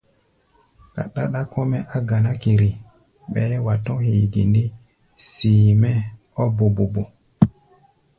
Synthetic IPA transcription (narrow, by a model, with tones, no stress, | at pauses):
ka̰˨ɗa˦ɗa˦ko˦mɛ˦ʔa˦ɡa˨na˦ki˨ɾi˨ | ɓɛ˨˦wa˨tɔ̃˦hi˨ɡḭ˨ndi˦ | si˨mɛ˦ | ɔ˦bo˨bo˨bo˨